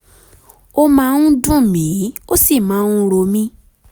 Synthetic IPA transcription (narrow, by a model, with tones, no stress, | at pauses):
o˦mã˦nũ˦dũ˦˨mĩ˨˦o˦si˦˨mãː˨˦˧u˦ɾo˧mĩ˦